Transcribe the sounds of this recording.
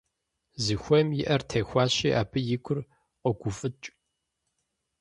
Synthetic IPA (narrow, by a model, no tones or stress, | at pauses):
zɨxʷɔmjɪʔɐrtʰɐːxʷɑːɕiːʔa̰ːbʰɨjɪɡʷʰʼʊr | qɔɡʷʊfʼɨt͡ʃʼ